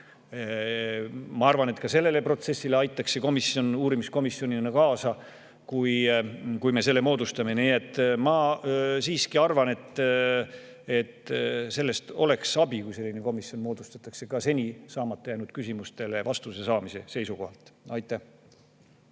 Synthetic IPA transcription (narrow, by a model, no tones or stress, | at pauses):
mɑɑrvɑne̞t̪kɑse̞lːe̞le̞pro̞t̪se̞sːile̞ɑjt̪ːˑɑkse̞ko̞misjo̞nuːɾimisko̞misjo̞nʲinɑkɑːsɑ | kujkujme̞se̞lːe̞mo̞ːd̪ust̪ɑme̞niːe̞t̪ːˑmɑsiːskiɑrvɑne̞t̪ | e̞t̪se̞lːe̞st̪o̞le̞ksɑbikujse̞lʲːine̞ko̞misjo̞nmo̞ːd̪̥ust̪ɑt̪ːˑɑkse̞kɑse̞nʲisɑːmɑt̪ːˑɑjæjnud̪̥kysimust̪e̞levɑst̪use̞sɑːmise̞̰se̞jsuko̞hɑlt̪ˑɑjt̪ːˑæh